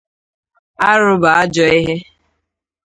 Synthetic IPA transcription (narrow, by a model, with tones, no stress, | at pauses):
a˦ɾʊ˦ba˨a˦d͡ʒɔ˦i˦ɦe˦